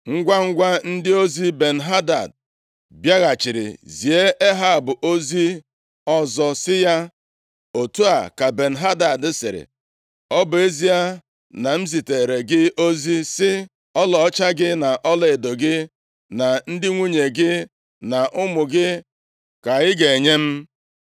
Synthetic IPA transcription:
ŋ̩˦ɡʷa˦ŋ̩˦ɡʷa˦n̩˦dɪ˦o˦zi˦be˨n̩˨ɦa˦da̰˨d̚ | bja˦ɣa˨t͡ʃɪ˨ɾɪ̰˨zi˨e˦ʔe˦ɦa˦˨bʊ˨ʔo˦zi˦ | ɔ˦zɔ˦sɪ˦ja˦ | o˨tu˦a̰˨ka˨be˨n̩˨ɦa˦da˨dɪ˦sɪ̰˨ɾɪ̰˨ | ɔ˦bʊ˨e˦zi˦a˦ | na˨m̩˦zi˨te˨ɾe˨ɡɪ˦ʔo˦zi˦sɪ˦ | ɔ˦lɔ˨ɔ˦t͡ʃa˦ɡɪ˦na˨ʔɔ˦lɔ˦e˨do˨ɡɪ˦ | na˨n̩˦dɪ˦ŋʷu˦ɲe˨ɡɪ˦ | na˨ʔʊ˦mʊ˨ɡɪ˦ | ka˨ɣɪ˦ɡe˨e˨ɲe˦m̩˦

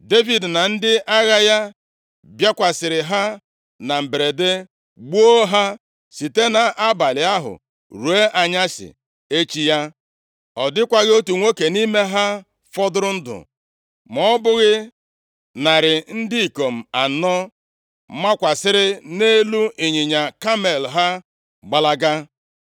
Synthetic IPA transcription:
de˦vi˨dna˨n̩˦dɪ˦ʔa˦ɣa˦ja˦ | bja˦kʷa˨sɪ˨ɾɪ˨ɦa˦ | na˨m̩˨be˨ɾe˨de˦ | ɡ͡bu˦o˦ɦa˦ | si˨te˦na˨ʔa˦ba˨lɪ˨a˦ɦʊ̰˨ | ɾu˨e˦ʔa˨ɲa˦sɪ̰˨ | e˦t͡ʃi˨˦ja˦ | ɔ˨dɪ˦kʷa˦ɣo˦tu˨ŋʷo˦ke˨ni˦me˦ɦa˦ | fɔ˦dʊ˦ɾʊ˦n̩˦dʊ̰˨ | mɔ˦bʊ˦ɣɪ˦ | na˨ɾɪ˨n̩˦dɪ˦i˨ko˨m̩˨a˨˦nɔ˦ | ma˦kʷa˨sɪ˦ɾɪ˦ne˦lu˦ʔi˨ɲɪ˨ɲa˨ka˦me˨lɦa˦ | ɡ͡ba˨la˦ɡa˦

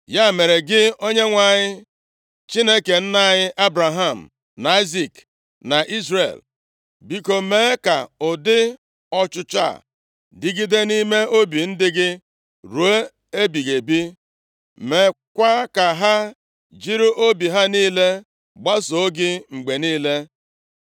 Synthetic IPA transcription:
ja˦˨me˨ɾe˨ɡɪ˦o˦ɲe˦ŋʷa˨ɲɪ˦ | t͡ʃi˦ne˦ke˨n̩˦na˦˨ɲɪ˦ʔa˦bɾa˨ɦa˦˨m̩˨ | na˨i˦zi˦˨k | na˨ʔi˦zrḛ˨l | bi˨ko˦me˦ka̰˨ʊ˨dɪ˦ | ɔ˦t͡ʃʊ˦t͡ʃa̰˦˨ | dɪ˨ɡi˦de˦ni˦me˦ʔo˦bi˨n̩˦dɪ˦ɡɪ˦ | ɾu˨e˦ | e˦bi˨ɣe˨bi˦ | me˨kʷa˦ka˨ɦa˦ | d͡ʒi˦ɾu˦ʔo˦bi˨ɦa˦niː˦le˦ | ɡ͡ba˦so˨o˦ɡɪ˦ŋ͡m̩˨ɡ͡be˨niː˦le˦

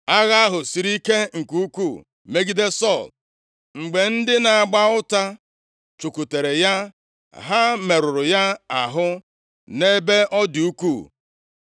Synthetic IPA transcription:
a˦ɣa˦a˦ɦʊ˨si˨ɾi˦ke˦ŋ̩˨ku˦ku˦˨ | me˦ɡi˦de˦sɔ˦˨l | ŋ͡m̩˨ɡ͡be˨n̩˦dɪ˦na˨a˨ɡ͡ba˦ʊ˦ta˦ | t͡ʃu˨ku˨te˨ɾe˨ja˦ | ɦa˦me˨ɾʊ˨ɾʊ˨ja˦a˨ɦʊ˦ | ne˦be˦ʔɔ˦di˨u˦ku˦˨

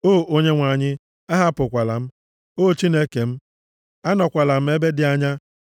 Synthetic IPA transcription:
oː˦˨ʔo˦ɲe˦ŋʷa˨ɲɪ˦ | a˦ɦa˦pʊ˨kʷa˨la̰˨m̩˦ | oː˦˨t͡ʃi˦ne˦ke˨m̩˦ | a˦nɔ˨kʷa˨la˨m̩˦e˦be˦dɪ˨a˦ɲa˦

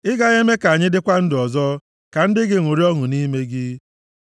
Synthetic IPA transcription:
ɪ˦ɡa˦ɣe˦me˦ka˨a˨ɲɪ˦dɪ˦kʷa˦n̩˦dɪ˨ɔ˨zɔ˦ | ka˨n̩˦dɪ˦ɡɪ˨ŋʷu˨ɾi˦ɔ˦ŋʊ˨ni˦me˦ɡi˦

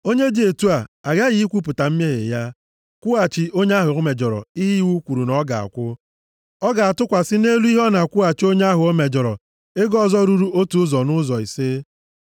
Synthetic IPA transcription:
o˦ɲe˦di˨e˨tu˦a˨a˨ɡa˦ɣi˨˦i˦kʷu˦p̬ʊ˨ta˨m̩˦me˦ɦḛ˨ja˦ | kʷʊ˦a˨t͡ʃɪ˨ʔo˦ɲe˦a˦ɦʊ˨o˦me˨d͡ʒɔ˨ɾɔ̰˨i˦ɦi˦i˦wu˦kʷu˨ɾu˨nɔ˦ɡa̰˨a̰˨kʷʊ˦ | ɔ˦ɡa˨a˨tʊ˦kʷa˨sɪ˦ne˦lu˦i˦ɦɔ˦na˨kʷʊ˦a˨t͡ʃi˦o˦ɲe˦a˦ɦʊ˨o˦me˨d͡ʒɔ˨ɾɔ̰˨ | e˦ɡɔ˦˨zɔ˦ɾu˨ɾu˦o˦tu˨ʊ˦zɔ˨nʊ˦zɔ˨i˨se˦

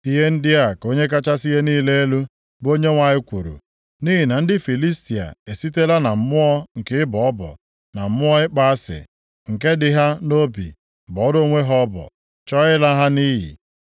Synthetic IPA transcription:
i˦ɦe˦n̩˦dɪ˦a˨ko˦ɲe˦k̬a˦t͡ʃa˦si˦ɦe˦niː˦le˦e˦lu˦ | bo˦ɲe˦ŋʷa˨ɲɪ˦kʷu˨ɾṵ˨ | ni˦ɦi˨na˨n̩˦dɪ˦fi˨li˦sti˨a̰˨e˨si˦te˦la˦na˨m̩˨mʊ˦ɔ˦ŋ̩˨kɪ˦ɪ˦bɔ˨˦bɔ̰˨ | na˨m̩˦mʊ˦ɔ˦ɪ˦k͡pa˦a˦sɪ̰˨ | ŋ̩˨ke˦dɪ˨ɦa˦no˦bḭ˨ | bɔ˨ɔ˦ɾo˦ŋʷe˦ɦɔ˦bɔ̰˨ | t͡ʃɔ˦ɪ˦la˦ɦa˦niː˦ɦḭ˨

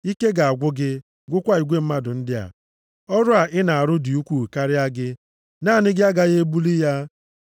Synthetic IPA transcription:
i˦ke˦ɡa˨a˨ɡʷʊ˦ɡɪ˦ | ɡʷʊ˦kʷa˦i˨ɡʷe˦m̩˦ma˦dʊ˨n̩˦dɪ˦a̰˨ | ɔ˦ɾʊ˦a˨ʔɪ˦na˨a˨ɾʊ˦dɪ˨u˦kʷu˨ka˦ɾɪ˦a˦ɡɪ˦ | naː˦˨nɪ˦ɡɪ˦a˦ɡa˦ɣe˦e˦bu˦li˦ja˦

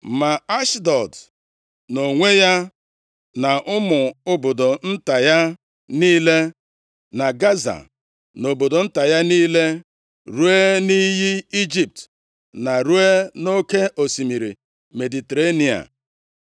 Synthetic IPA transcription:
ma˨a˦ʃdɔ˨d | no˨ŋʷe˦ja˦ | na˨ʔʊ˦mʊ˨ʊ˦bo˨do˨n̩˦ta˨ja˦ | niː˦le˦ | na˨ɡa˦za̰˨ | no˨bo˨do˨n̩˦ta˨ja˦niː˦le˦ | ɾu˦e˦ni˦ɦi˦i˦d͡ʒi˨p̚t | na˨ɾu˦e˦no˦ke˦ʔo˨si˨mi˨ɾḭ˨ | me˨di˨te˨ɾe˦ni˨a̰˨

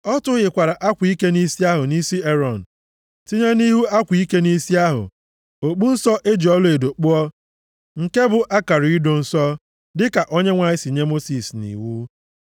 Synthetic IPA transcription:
ɔ˦tʊ˦ɣɪ˨kʷa˨ɾa˨ʔa˦kʷi˦ke˦ni˦si˦a˦ɦʊ˨ni˦si˦e˦ɾɔ˨n̩˨ | ti˦ɲe˦ni˦ɦu˦a˦kʷi˦ke˦ni˦si˦a˦ɦʊ̰˨ | o˨k͡pu˦n̩˦sɔ˦ʔe˦d͡ʒi˨ɔ˦lʊ˦e˨do˨k͡pʊ˦ɔ˦ | ŋ̩˨ke˦bʊ˨ʔa˦ka˨ɾi˨i˦do˨n̩˨sɔ˦ | dɪ˦ka˨ʔo˦ɲe˦ŋʷa˨ɲɪ˦si˨ɲe˦mo˦si˨snḭ˨wu˦

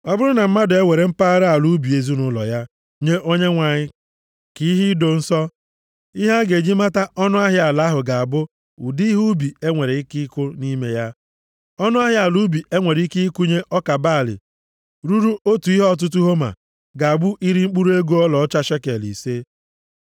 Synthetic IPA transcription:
ɔ˦bʊ˦ɾʊ˦na˨m̩˦ma˦dʊ˨e˦we˨ɾe˨m̩˦pa˦ɾa˦a˨lu˦bi˨e˨zu˦nʊ˦lɔ̰˨ja˦ | ɲe˦ʔo˦ɲe˦ŋʷa˨ɲɪ˦ | ki˦ɦi˦do˨n̩˦sɔ˦ | i˦ɦa˦ɡe˨d͡ʒi˦ma˦ta˦ʔɔ˦nʊ˦a˦ɦɪ˦a˨la˦ɦʊ˨ɡa˨a˨bʊ˦ | ʊ̰˨di˦ɦu˦bi˨e˦ŋʷe˨ɾe˨ɪ˦ki˦kʷʊ˦ni˦me˦ja˦ | ɔ˦nʊ˦a˦ɦɪ˦a˨lu˦bi˨e˦ŋʷe˨ɾi˦ki˦i˦kʷu˦ɲe˦ʔɔ˦ka˨baː˦˨lɪ̰˨ | ɾu˦ɾu˦ʔo˦tu˨i˦ɦɔ˦t̬ʊ˦t̬u˦ɦo˦ma̰˨ | ɡa˨a˨bʊ˦ʔi˦ɾi˦ŋ͡m̩˦k͡pu˦ɾu˦e˦ɡu˦ɔ˦lɔ˨˦t͡ʃa˦ʃe˦ke˨lḭ˨se˦

